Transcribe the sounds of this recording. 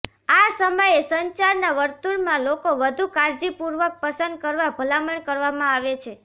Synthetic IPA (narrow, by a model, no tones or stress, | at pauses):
asəməjesəɲt͡ʃaɾnaʋəɾt̪uɾmãlokoʋəd̪ʱukaɾd͡ʒipuɾʋək̚pəsənd̪̚kəɾʋabʱəlaməɳkəɾʋamãaʋet͡ʃʰe